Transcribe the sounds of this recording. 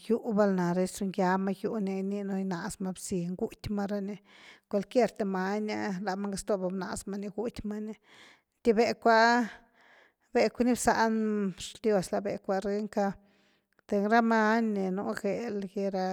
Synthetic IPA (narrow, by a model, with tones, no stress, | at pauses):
ju˦ʔba˧lna˨ɾe˧˦su˧ŋja˧ma˧ju˧ni˧ni˧no˧jna˨sma˧bsi˨ŋɡu˦t̪ʲma˧ɾa˧ne˧kʷe˧lkje˦˧ɾt̪e˧ma˧na˧la˨ma˦ŋɡa˧st̪o˧˨ba˧bna˨sma˧ni˧ɡu˦t̪ʲma˦ni˧ | t̪ʲi˧˦be˧kʷa˦ | be˧kʷa˦ni˦bsa˧ʔnʂd̪jo˧sla˧be˨kʷa˧ɾe˧ŋka˧ | t̪e˧ŋɾa˦ma˦nne˨nṵ˧˦ɡe˨lɡe˧ɾa˧